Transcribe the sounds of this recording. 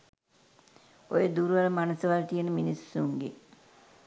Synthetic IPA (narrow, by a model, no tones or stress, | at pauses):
ojəd̪uɾuʋaləmanəsəʋalt̪ijənəminisːuŋɡḛ